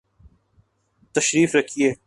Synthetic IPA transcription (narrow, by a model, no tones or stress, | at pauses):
t̪ɐʃɾiːfɾɐkʰieː